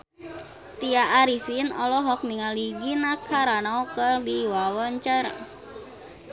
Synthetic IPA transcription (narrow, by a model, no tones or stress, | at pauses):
t̪iaʔːɾifinɔlɔɦɔk̚niŋaliɡinakʰaɾanaɔkərdiwawɔɲt͡ʃər